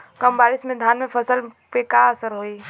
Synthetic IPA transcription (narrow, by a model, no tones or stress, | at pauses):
kəmbaːɾismẽd̪ʱjaːnmẽpʰəsəlpekaəsəɾɦoi